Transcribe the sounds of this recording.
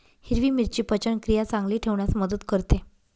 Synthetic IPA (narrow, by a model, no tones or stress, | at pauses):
hiɾʋiːmiɾt͡ɕiːpət͡ɕəɳkɾijat͡sãŋɡliːʈʰeʋɳjasməd̪ət̪kəɾt̪e